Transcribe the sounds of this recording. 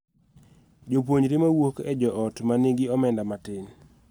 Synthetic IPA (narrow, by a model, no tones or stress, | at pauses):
d͡ʒop̬woɲɾɪmawokɛd͡ʒɔʔɔtmaneɡɪɔmɛndamatɪn